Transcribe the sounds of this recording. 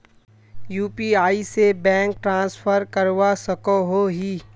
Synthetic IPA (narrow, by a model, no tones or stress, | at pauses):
juːpiaːisebɛ̃ːŋk̚ʈɾãːsfʰəɾkəɾwasəkoɦoɦiː